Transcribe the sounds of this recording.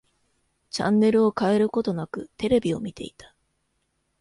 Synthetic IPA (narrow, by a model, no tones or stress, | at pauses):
t͡ɕã̰nːe̞ɾɯ̟o̞kae̞ɾɯ̟ko̞t̪o̞nakɯ̟t̪e̞ɾe̞bʲio̞̰mʲit̪e̞̰it̪ḁ